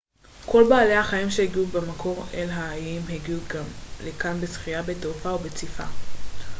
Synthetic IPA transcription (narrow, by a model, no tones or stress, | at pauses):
kʰo̞lbaːle̞jhaχaimʃeheɡiubemakʰo̞ʁelɦaːjimɦeɡiuɡamlekanbesχijabetofaobet͡sifa̰